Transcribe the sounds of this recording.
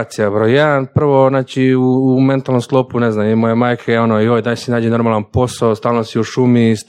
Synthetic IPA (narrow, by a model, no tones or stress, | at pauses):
t̪sijabɾojjed̪anpr̩ʋo̞znaːt͡ʃiuume̞nt̪alno̞mst̪lˠopune̞znamimojemaːjkʰao̞noiojd̪asinaːd͡ʒeno̞ɾmalˠanpo̞saost̪aːlnosiuʃumis